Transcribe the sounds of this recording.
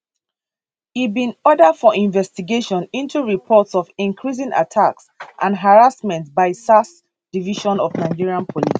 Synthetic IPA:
ibĩnɔdədfɔʔĩnvɛstiɡeʃɔ̃nĩntuɹipʰɔtsɔvĩŋkʰɹizĩŋʔa̰tʰaksʔãnɦaɹasmɛ̃ntbaɪsas | d̥iviʃɔ̃nɔvnaɪd͡ʒiɹiãnpʰɔlis

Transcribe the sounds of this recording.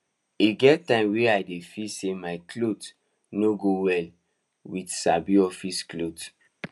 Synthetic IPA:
iɡɛttːãɪ̃mweaɪdefisemaɪklot | noɡowɛl | widsabiɔfisklot

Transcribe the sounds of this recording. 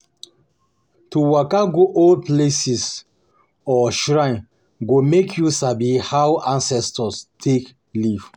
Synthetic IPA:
tuwakaɡoʔɔlplesis | ɔʃɹãɪ̃n | ɡomekʰjusabihawʔãnsɛstɔstʰek | liv̥

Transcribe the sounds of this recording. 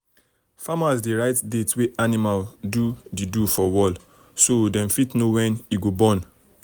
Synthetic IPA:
famasdeɹaɪtdetweʔanimaldudidufɔwɔl | sodɛ̃mfitnowɛ̃niɡobɔ̃n

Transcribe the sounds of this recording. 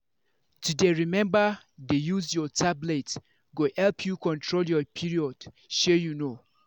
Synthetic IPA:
tʰudeɹimɛ̃mba | dejuzjɔtʰablet | ɡohɛlpʰjukʰɔ̃ntʰɹoljɔpʰiɹiɔd̥ | ʃɛjuno

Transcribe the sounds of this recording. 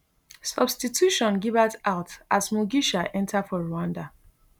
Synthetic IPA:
sɔbstitʰuʃɔ̃nɡivətaʊtʔazmɔɡiʃaʔɛ̃ntʰafɔɹuãnda

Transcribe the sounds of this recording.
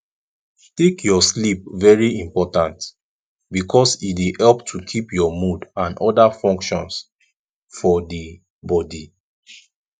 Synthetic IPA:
tekjɔslip̚vɛɹiĩmpɔtãnt | bikʰɔsidehɛlptʰukʰipjɔmudãnʔɔdafɔ̃ŋkʃɔ̃ns | fɔdi | bɔdi

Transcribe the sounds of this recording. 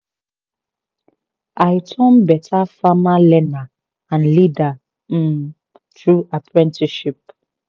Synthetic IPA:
ʔajtʰɔ̃mbɛtʰafamalɛna | ãnlida | m̩ | tɹuapʰɹɛ̃ntiʃip̚

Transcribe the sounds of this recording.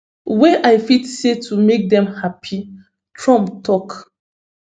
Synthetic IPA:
weʔaɪfitsetʰumek̚dɛ̃mhapʰi | tʰɹɔ̃mptʰɔk

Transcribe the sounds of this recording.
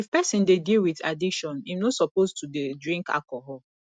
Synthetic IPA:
ifpɛsĩndedilwiθa̰diʃɔ̃nimnosɔpostʰudedɹĩŋka̰lkɔɦɔl

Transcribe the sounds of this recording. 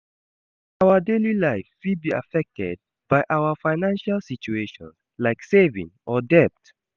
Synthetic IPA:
aʊədelilaɪfwid̚bia̰fɛk̚tʰɛ̰d̚ | b̥aɪʔaʊəfaɪnãnʃalsit͡ʃueʃɔ̃n | laɪksevḭ̃ŋʔɔdɛp̚t

